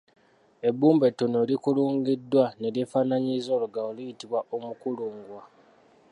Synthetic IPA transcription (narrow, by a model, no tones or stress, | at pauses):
e̞buːmbetːonolikuluːŋɡidːwane̞ljefaːnaɲizo̞luɡaolijitiβwaʔomukuluːŋɡwa